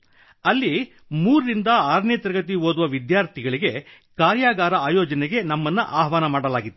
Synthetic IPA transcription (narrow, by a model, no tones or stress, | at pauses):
ɐlːi | muːɾɾind̪ɐaːɾnjɐt̪ɐɾɡɐt̪̬iɦoːd̪uʋɐʋid̪jaːɾt̪ʰiɡɐɭiɡe̞ | kaːɾjaːɡaːɾɐaːjɔːd͡ʒɐnɛɡe̞nɐmːɐnːuʔaːɦʋaːnɐmaːɽɐlaːɡit̪ːu